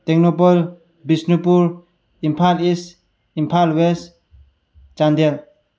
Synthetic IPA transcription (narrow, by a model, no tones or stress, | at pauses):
t̪eɡnopɔl | bisnipuɾ | impʰalis | impʰalwes | t͡ʃand̪el